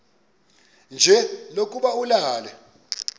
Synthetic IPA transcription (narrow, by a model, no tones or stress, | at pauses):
nd͡ʒʱɛlokʼuɓaulaːlɛ